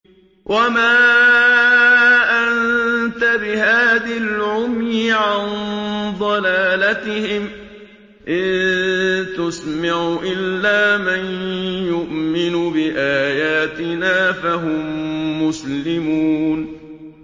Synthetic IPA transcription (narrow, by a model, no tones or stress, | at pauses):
wʔamaː | ʔant̪abɪhaːðalʕʊmjɪʕand̪ˤɑlaːlat̪ɪhɪm | ʔɪð | t̪ʊsmaʕuʔɪlːaːmanjʊʔmɪnʊbɪʔaːjaːt̪ɪnaːfaɦʊmːʊslɪmuːn